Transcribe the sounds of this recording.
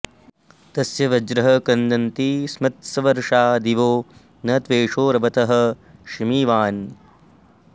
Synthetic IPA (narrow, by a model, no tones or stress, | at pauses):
t̪ɐsjɐʋɐd͡ʒɾɐɦɐ̆kɐnd̪ɐnt̪ismɐt̪sɐʋɐɾʂaːd̪iʋoː | nɐːt̪ʋeːʂoːɾɐbɐt̪ɐɦɐ̆ʃimiːʋaːn